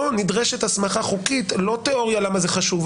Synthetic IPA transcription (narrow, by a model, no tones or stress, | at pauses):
onid̪ʁeʃet̪asmaχaχukit̪lo̞t̪eo̞ʁjalamazeχaʃuv